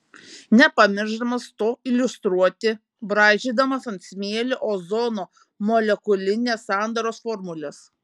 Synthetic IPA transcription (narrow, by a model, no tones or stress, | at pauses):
nʲɛpɐmʲɪɾʒd̪ɐmɐst̪oːɪlʲʊst̪ɾuɔt̪ʲɪ | bɾɑːʒʲiːd̪ɐmɐsɐnʲt̪ʲsʲmʲeɛlʲɪʔoːzɔːnoː | moːlʲɛkʊlʲɪnʲeːssɑˑnd̪ɐɾoːsfɔːɾmʊlʲɛs